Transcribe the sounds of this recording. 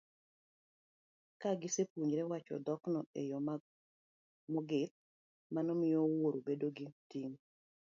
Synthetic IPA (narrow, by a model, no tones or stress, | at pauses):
kaɡɪsepuɲɾɛwat͡ʃɔ̰d̪ɔknɔejɔ | mɔɡɪt̪̚ | manɔmɪjɔwoɾobedoɡɪtiŋ